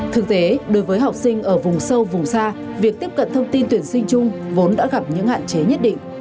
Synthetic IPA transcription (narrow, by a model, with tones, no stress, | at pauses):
t̪ʰɨ˨˩k̚t̪e˨˦ɗo˨˦jvəː˨˦jɦa˨˩wk͡p̚sï˧ŋ̟ʔəː˧˩vʊ˨˩ŋ͡msə˧wvʊ˨˩ŋ͡msaː˧ | vi˨˩ək̚t̪i˦˥əp̚kə̰˧˨nt̪ʰə˧wŋ͡mt̪i˧nt̪wi˧˩ənsï˧ŋ̟t͡ɕʊ˧ŋ͡mvo˨˦nɗa̰ː˧˥ɣa˨˩p̚ɲɨ̰˧˥ŋha̰ː˧˨nt͡ɕe˨˦ɲə˦˥t̚ɗḭ˧˨ŋʔ